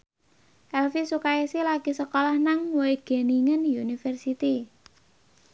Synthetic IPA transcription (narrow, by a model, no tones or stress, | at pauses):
ʔɛlfisukaesilaɡ̥isəkɔlɔhnaŋwoeɡ̥e̤niŋənjunifɛrsit̪i